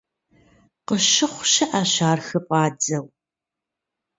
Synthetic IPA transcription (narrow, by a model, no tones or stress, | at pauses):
qəʃɪχʷʃɪʔaɕaːrxɨpʷʼɑːd͡zɐw